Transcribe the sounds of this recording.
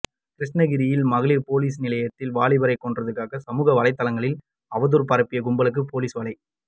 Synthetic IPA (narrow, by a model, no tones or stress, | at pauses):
kɪɾɪʂnɐɣɪɾɪjɪlmɐɣɯɭɪpoːliːsnɪlɐjɐt̪ːɪlʋaːɭɪʋɐɾɐɪkːɔɳdrɐðɯkːaːɣɐsɐmuːɣɐʋɐɭɐɪt̪ːɐlɐŋɡɐɭɪl | ɐʋɐðɯɾpɐɾɐpːɪjɐɡʊmbɐɭɯk̬ːɯpoːliːsʋɐɭɐɪ